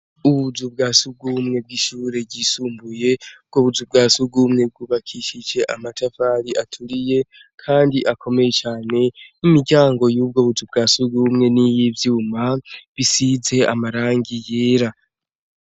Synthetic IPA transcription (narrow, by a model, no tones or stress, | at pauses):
uβuzubɡaːsub̚ɡuːmŋe̞b̚ɡiʃuːɾe̞ɟiːsuːmbuje̞b̚ɡo̞βuzub̚ɡaːsubɡuːmŋe̞b̚ɡuːβakʰiʃid͡ʒe̞ʔamatʰafaɾiʔatʰuɾije̞ | kʰaːndiʔakʰo̞me̞je̞t͡ʃaːne̞imiɾɟaːŋɡo̞juːb̚ɡoːβuzub̚ɡaːsuɡumŋe̞nijivjuːmaβisize̞a̰maɾaːŋɡijeːɾa